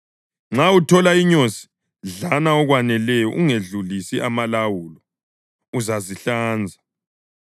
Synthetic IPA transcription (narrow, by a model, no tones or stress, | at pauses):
ŋ͡ǁautʰɔlaiɲosi̥ | ɮanaɔɣwanɛlɛjɔ̰ʔuŋeɮulisiʔamalawuːlɔ | uzaziɬaːnd͡zʱa